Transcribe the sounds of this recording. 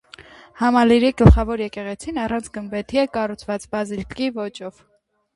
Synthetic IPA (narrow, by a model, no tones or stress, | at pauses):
hɑmɑliɾiɡ̥əlχɑvɔɾjɛkɛʁɛt͡sʰinɑrɑnt͡sʰɡənbɛt̪ʰiɛkɑrut͡sʰvɑt͡sbɑzilkivɔt͡ʃɔv̥